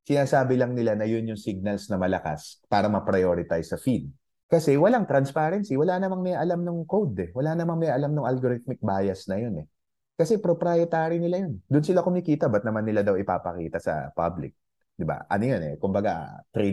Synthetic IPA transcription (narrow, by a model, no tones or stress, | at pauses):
sɪnaːsaːbɪlɐŋnɪlanɐjonjʊŋsiɡ̚nɐlsnɐmɐlɐka̰spaːɾɐmɐpɾɐjoɾɪt̪ajsɐfin | kɐsɛwɐlaŋt̪ɾɐnspaɾɛnsiwɐlanɐmaŋmɛjʔɐlamnʊŋkowd̪ɛwɐlanɐmaŋmɛjʔɐlamnʊŋʔɐlɡoɾɪt̪̚mɪk̚baːjɐsnɐjonɛ | kɐsɛpɾopɾaːjɛt̪aːɾinɪlajond̪ʊnsɪlakʊmɪkiːt̪ɐbɐt̪nɐmanːɪlad̪ɐwɪpa̰ːpɐ̰kḭːt̪ɐsɐ̰pa̰blɪ̰k̚ | d̪ɪba̰ʔɐ̰nojo̞nɛ̰kʊmbɐɡat̪ɾi